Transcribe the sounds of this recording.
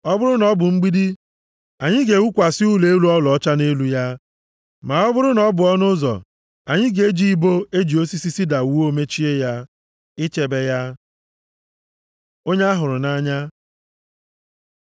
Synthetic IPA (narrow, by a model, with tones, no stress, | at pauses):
ɔ˦bʊ˦ɾʊ˦nɔ˦bʊ˨ŋ͡m̩˦ɡ͡bi˦di˦ | a˨ɲɪ˦ɡe˨u˦kʷa˨sɪ˦u˦le˨˦e˦lu˦ɔ˦lɔ˨ɔ˦t͡ʃa˦ne˦lu˦ja˦ | ma˨ɔ˦bʊ˦ɾʊ˦nɔ˦bʊ˨ɔ˦nʊ˦zɔ̰˨ | a˨ɲɪ˦ɡe˦d͡ʒi˦i˦bo˦e˦d͡ʒi˨o˦si˦si˦si˦da˨u˨˦wo˦me˦t͡ʃi˦e˦ja˦ | ɪ˦t͡ʃe˨be˦ja˦ | o˦ɲe˦a˦ɦʊ˨ɾʊ˨na˦ɲa˦